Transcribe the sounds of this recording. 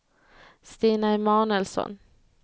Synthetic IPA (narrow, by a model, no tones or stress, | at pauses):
st̪iːnamɑːɳəlsɔ̰n